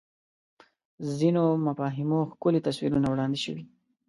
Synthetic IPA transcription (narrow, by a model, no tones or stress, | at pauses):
zinomafɑɦɪmoxkolet̪aswiɾunawɽɑnd̪eʃəwi